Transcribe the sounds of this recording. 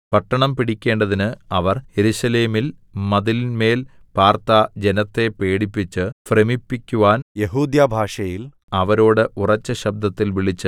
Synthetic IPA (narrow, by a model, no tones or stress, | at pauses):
pɐʈːɐɳɐmpiɽikʲːe̞ːɳɖɐðinɨɐʋɐrje̞ɾuɕɐle̞ːmilmɐðilinme̞ːl | paːrt̪ad͡ʑenɐt̪ːe̞pe̞ːɽipːit͡ɕːɨfremipːikʲːuʋaːnje̞ɦuːd̪jabʱaːʂɐjil | ɐʋɐɾo̞ːɽɨʔurɐt͡ɕːɐɕɐb̚d̪ɐt̪ːilʋiɭit͡ɕːɨ